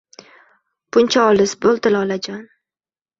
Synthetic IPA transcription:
bʊnt͡ʃʰaɒlɪsbolˠd̪ɪlɒlad͡ʒan

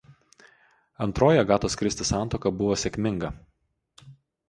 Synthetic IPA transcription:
ɐnˑt̪ɾoːjɛɡɑːt̪oːskɾʲɪst̪ʲɪsɑˑnt̪oːkɐbʊʋoːsʲɛkʲmʲɪŋɡɐ

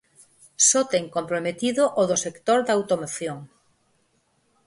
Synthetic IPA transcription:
sot̪eŋkompɾomet̪iðoʔoðosekt̪oɾðawt̪omoθjoŋ

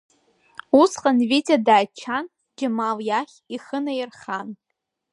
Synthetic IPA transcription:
usqʼanvit͡sʲʼadaːt͡ʃʰan | d͡ʒamaljaχʲiχənajɪrχan

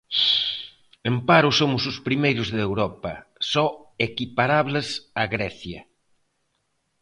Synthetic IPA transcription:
empaɾʊsomʊsʊspɾimejɾʊzðewɾɔpɐ̰sɔekipaɾaβlɪsaɣɾɛθjɐ

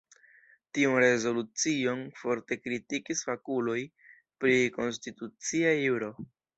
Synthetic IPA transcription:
tiunɾe̞zo̞lut͡sio̞nfo̞ɾte̞kɾitikisfakulo̞j | pɾiko̞nstitut͡siajuɾo̞

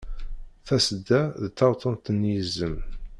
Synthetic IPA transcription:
θæsəd̪ːæðət̪ːɑɾt̪ˤʰənt̪ənːjəzːəm

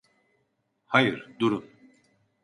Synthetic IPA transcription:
hajɯɾd̪uɾun

